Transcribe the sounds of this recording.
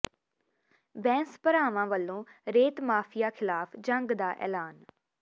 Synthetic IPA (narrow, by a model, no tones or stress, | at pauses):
bɛ̃ːnspəɾaːʋãːʋəlːõːɾeːt̪maːpʰɪjaːkʰɪlaːpʰd͡ʒəŋɡd̪aːʔɛ̰ːlaːn